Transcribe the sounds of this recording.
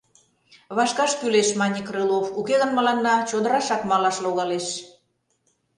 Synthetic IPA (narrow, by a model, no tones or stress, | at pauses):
βɑʃkɑʃkyleʃmɑnʲikrɯlˠofukeɣənmə̆lɑnːɑt͡ɕod̪ə̆ɾɑʃɑkmɑlɑʃloɣɑleʃ